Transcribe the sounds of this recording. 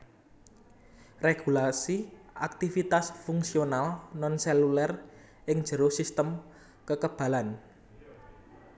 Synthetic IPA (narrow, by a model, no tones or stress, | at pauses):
reɡ̥ulasiʔak̚t̪ifit̪asfuŋksionalnɔnsɛlulɛr | ʔɪŋd̥ʒ̥ə̤ɾosist̪əm | kəkəb̥ä̤lan